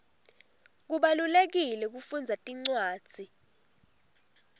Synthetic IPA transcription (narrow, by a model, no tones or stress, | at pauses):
k̬uɓalulek̬ilɛk̬ufund͡zʱatʼiŋ͡ǀwaːd̥ʱi